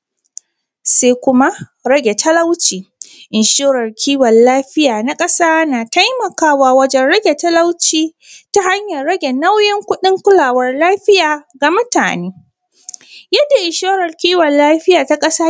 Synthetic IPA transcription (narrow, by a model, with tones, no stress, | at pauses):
saː˦kʷʊ˦ma˦ | ɾɐ˦ɡʲe˨tʰɐ˦la˦wt͡ʃiː˨ʔɪ˨nʃoː˦ɾɐ˨rkʲʰiː˦wɐ˨nlaː˦ɸɪ˦jaː˨na˦kʼɐ˦saː˦naː˨ta˦jmɐ˨kaː˦waː˦wɐ˦d͡ʒɛ˦nɽɐ˦ɡʲe˨tɐ˦la˦wt͡ʃiː˦ | ta˦ha˦ɲjɐ˨rɽɐ˦ɡʲe˨na˦wjɪ˦ŋkʷʊ˦ɗɪ˦ŋkʷʊ˦laː˨wɐ˦rlaː˦ɸɪ˦jaː˨ɡa˨mʊ˦ta̰ː˨neː˦ | jɐ˦dːa˨ʔɪ˨nʃoː˦ɾɐ˨rkʲiː˦wɔ˨llaː˦ɸɪ˦jaː˨ta˦kʼɐ˦saː˦